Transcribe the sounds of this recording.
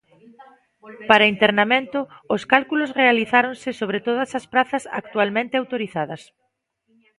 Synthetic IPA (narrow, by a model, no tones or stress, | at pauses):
paɾaint̪eɾnamẽnt̪ʊːskalkulosrealiθaɾonsɪsoβ̞ɾet̪oðɐsɐspɾaθɐsa̰k̚t̪ualmẽnt̪eawt̪oɾiθaðɐs